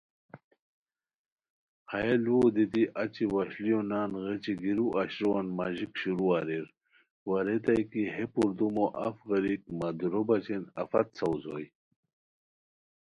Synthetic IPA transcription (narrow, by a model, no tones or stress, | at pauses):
hajeluod̪it̪iʔɐt͡ɕiwɐɕlijonaːnɣet͡ɕiɡiɾuʔaɕɾuwanmaʑikɕuɾuaɾiɾ | waɾet̪ajkiɦepuɾd̪umoʔɐ̰fɣɐɾik̚mad̪uɾobɐt͡ɕenɐ̰fɐt̪sɐwzo̰j